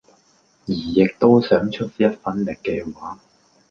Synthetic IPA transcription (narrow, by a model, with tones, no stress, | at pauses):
jiː˨˩jɪ˨k̚t̪o˥wsœː˨˥ŋt͡ʃʰɵ˥t̚jɐ˥t̚fɐ˥nlɪ˨kːɛː˧waː˨˥